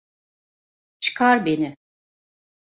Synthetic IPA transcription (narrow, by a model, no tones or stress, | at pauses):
t͡ʃʰɯ̥kʰaɾbenɪ